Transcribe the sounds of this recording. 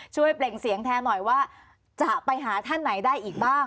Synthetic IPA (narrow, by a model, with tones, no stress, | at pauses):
t͡ɕʰu˥˩əjple˨˩ŋsi˨˩˦əŋt̪ʰɛː˧˥nɔ˨˩jwaː˥˩ | t͡ɕa˨˩pa˧jɦaː˩˦t̪ʰa˥˩nːa˩˦jdaː˥˩jʔiː˨˩k̚baː˥˩ŋ